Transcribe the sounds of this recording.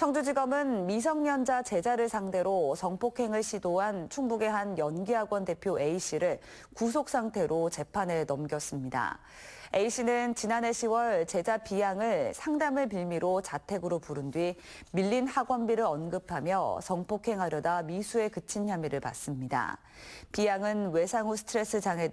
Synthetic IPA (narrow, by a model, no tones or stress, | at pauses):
t͡ɕʰʌŋd͡ʑud͡ʑiɡʌmɯnmis̬ʰʌŋɲʌnd͡ʑat͡ɕe̞d͡ʑaɾɯɭsʰaŋde̞ɾosʌŋpʰokʰe̞ŋɯɭɕʰidoɦant͡ɕʰuŋbuɡe̞ɦanjʌnɡiɦaɡwʌnde̞pʰjoe̞iɕ͈ʰiɾɯɭ | kus̬ʰok̚s͈ʰaŋtʰe̞ɾot͡ɕe̞pʰanɦe̞nʌmɡjʌs͈ɯmɲida̰ | e̞iɕ͈ʰinɯnt͡ɕinane̞ɕʰiwʌɭt͡ɕe̞d͡ʑapijaŋɯɭsʰaŋdamɯɭpiɭmiɾot͡ɕatʰe̞ɡɯɾopuɾɯndɥi | miʎːinhaɡwʌnbiɾɯɾʌnɡɯpʰamjʌsʌŋpʰokʰe̞ŋɦaɾjʌdamisʰue̞kɯt͡ɕʰinçjamiɾɯɭpa̰s͈ɯmɲida̰ | pijaŋɯnwe̞sʰaŋusʰɯ̥tʰɯɾe̞s͈ɯd͡ʑaŋɦe̞